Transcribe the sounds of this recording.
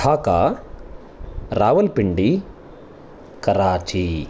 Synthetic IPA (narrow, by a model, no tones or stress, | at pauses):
aːkaː | ɾaːʋɐlpiɳɖi | kɐɾaːt͡ʃi